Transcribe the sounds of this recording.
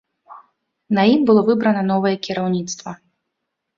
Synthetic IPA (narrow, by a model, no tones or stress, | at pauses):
nɐimbɨlˠɔvɨbɾɐnɐnɔvɐjɛkʲiɾawnʲit̪st̪vɐ